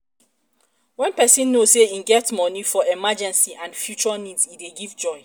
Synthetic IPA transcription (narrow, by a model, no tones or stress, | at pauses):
wɛ̃npɛsĩnːosseĩnɡɛtmɔnifɔɛmad͡ʒɛ̃nsiʔãnfjut͡ʃanidsideɡivd͡ʒɔɪ